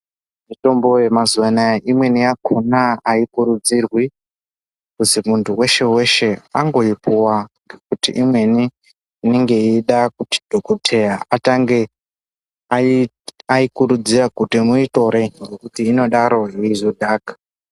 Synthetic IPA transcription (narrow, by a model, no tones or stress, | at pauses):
mito̞mbo̞jemazuʋanaʔimwe̞nijakʰunaaikuɾud͡zirwi | kuzimuntʰuwe̞ʃe̞we̞ʃe̞aŋɡo̞ipuwaŋɡekutiʔimwe̞niː | neŋɡe̞iɗakuti̥d̥ʱokotʰe̞jaataŋɡe | aikuɾud͡ziɾakutimuito̞ɾeŋɡekutiːno̞ɗaɾo̞ɦiizodʱaːkḁ